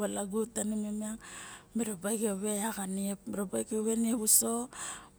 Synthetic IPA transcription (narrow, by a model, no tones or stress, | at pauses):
alaɡutanimemiaŋmiɾobajkeβe̞aɡaniepmiɾobajkeoβe̞nieβuso̞